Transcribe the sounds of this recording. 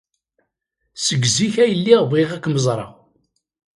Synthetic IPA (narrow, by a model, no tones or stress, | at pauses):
səɡziçæjəlːiʁveʁækːməzˤɾˤɑ̰